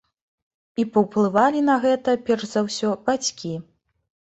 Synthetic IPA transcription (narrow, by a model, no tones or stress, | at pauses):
ipɐwplˠɨvalʲin̪ɐɣɛt̪ɐpʲɛrzawsʲɔb̥at͡sʲkʲi